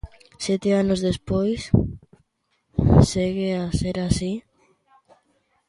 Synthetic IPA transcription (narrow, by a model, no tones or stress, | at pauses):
sjɛt̪eanozðespojs | seɣeaseɾasi